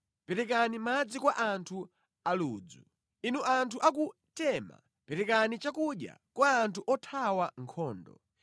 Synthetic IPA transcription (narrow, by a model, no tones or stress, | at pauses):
pɛɾɛkanimad͡zikwaʔantʰu | aluːd͡zu | inuʔantʰuʔaku | tɛma̰ | pɛɾɛkanit͡ʃakuɗja̰kwaːntʰuʔɔtʰawaŋkʰɔːndɔ̰